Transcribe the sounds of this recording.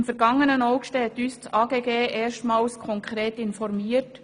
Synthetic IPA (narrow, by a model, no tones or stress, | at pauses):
mfɛɾɡɑŋːənənoʊkʃtɛːt̪yːst͡sʔɑːɡeːɡeːʔeːʃtmɑːlskʰɔŋkʁɾeːtɪnfɔɾmiːət